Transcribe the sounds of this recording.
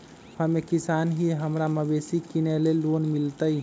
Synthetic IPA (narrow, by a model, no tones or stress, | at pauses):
həmekisanɦiɦəmɾaməbesikinelelːonmilt̪əj